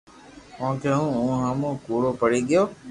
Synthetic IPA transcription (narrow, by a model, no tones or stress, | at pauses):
õːkʰẽːɦũːũːɦamũːkuːɽoːpəɽiːɠɪjoː